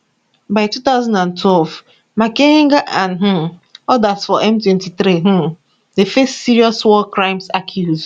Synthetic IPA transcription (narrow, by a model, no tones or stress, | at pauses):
baɪtut̪aʊzãndãntʰwɛlv | makẽŋɡaʔãnɦũɔdasfɔʔɛ̃mtwɛ̃ntiθɾiɦũ | defestsiɹiɔswɔkɹãɪ̃msakʰjuz̥